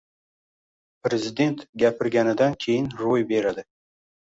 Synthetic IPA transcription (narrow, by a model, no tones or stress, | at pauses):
pɾezid̪e̞nt̪ɡʲæpʰɪɾɡʲænɪd̪ænkʲʰejɪnɾojbeɾad̪ɪ